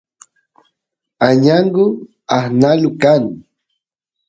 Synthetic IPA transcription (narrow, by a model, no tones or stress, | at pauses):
aɲaɴɢʊ | ahnalʊkan